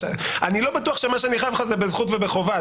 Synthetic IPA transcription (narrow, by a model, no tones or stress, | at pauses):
anilo̞batuaχʃemaʃ̬eaniχajavχazebezχutvebe̞χova